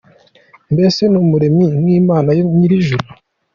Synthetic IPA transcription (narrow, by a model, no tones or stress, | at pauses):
mbe̞se̞numuɾeminwiːmaːnajoɲiɾiʒuɾu